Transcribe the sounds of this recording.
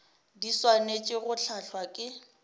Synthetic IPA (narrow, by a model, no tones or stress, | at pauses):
diswanet͡ʃʼɪɣʊɬʰaɬʰwakʼɪ